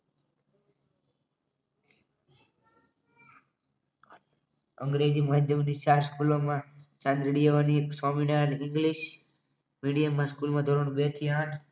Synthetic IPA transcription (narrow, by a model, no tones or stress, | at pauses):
əŋɡɾed͡ʒiməɦəd͡ʒ̪jəmnit͡ʃaːɾskulomãt͡ʃãnd̪ɾiɽijaʋanisaminanɪ̃ŋɡliʃ | miɽijəmːãskulmãd̪ʱoɾəɽ̃bet̪ʰiaʈʰ